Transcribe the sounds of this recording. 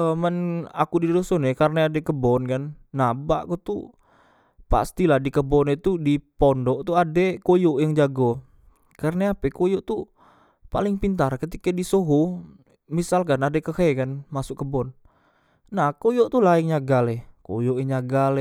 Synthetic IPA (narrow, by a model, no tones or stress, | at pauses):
əməna̰kudidosɔnekarnaadɛkəbɔnkanː | abaʔkut̪ṵ | pa̰st̪ilahdikəbɔnet̪udipɔndɔʔt̪uadɛkojoʔjaŋd͡ʒaɡɔ | karnaapɛkojoʔt̪u | pa̰lɪŋpint̪arkət̪ikadisoɦo | misalkanadɛkəhekanmasʊkəbɔn | nahkojoʔt̪ulaɪŋɲaɡalɛkojoʔjaŋɲaɡal